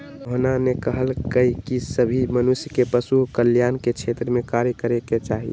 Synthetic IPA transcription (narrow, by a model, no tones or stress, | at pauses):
ɦonanekəɦəlkəikisəbʱimənusjəkepəsuɦkəljaːnket͡ʃʰet̪ɾəmẽkaɾjəkəɾeket͡ʃaːɦḭ